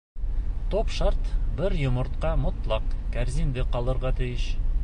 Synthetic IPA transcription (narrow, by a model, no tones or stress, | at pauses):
t̪opʃɑɾt̪bɘɾjŏmŏɾt̪qɑmŏt̪lˠɑqkæɾzind̪ɘqɒlˠɤ̆ɾʁɑt̪ɘ̆jɘʃ